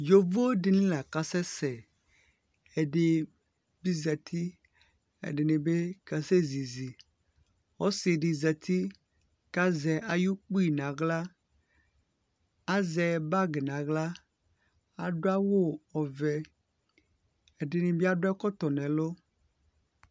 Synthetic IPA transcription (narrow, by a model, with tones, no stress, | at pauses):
jo˨vo˦ɖe˨nĩ˦la˨ka˦sɛ˦sɛ˨ | e˨ɖe˨ | bi˦zɛ˨t̪ʰi˦ | ḛ˨ɖe˨nĩ˨be˦ka˨se˦zi˨zi˨ | wo˦si˨ɖi˨zɛ˨t̪ʰi˦ | ka˦zɛ˨ʔa˨ju˦k͡pu˦i˨nã˨ɡla˦ | a˦zɛ˨ba˦ɡe˨nã˨ɡla˦ | a˨ɖo˦a˦wo˦ɔ˨vɛ˨ | e˨ɖe˨nĩ˨bi˦a˦ɖo˦a˦kɔ˦t̪ɔ˨nɛ̃˨lo˦